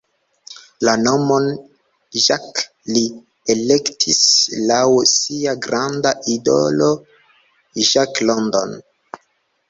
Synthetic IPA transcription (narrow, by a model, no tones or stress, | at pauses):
lano̞mo̞n | ʒak | li | elektʰislawsiaɡɾandaʔido̰lo̞ | ʒaklondo̰n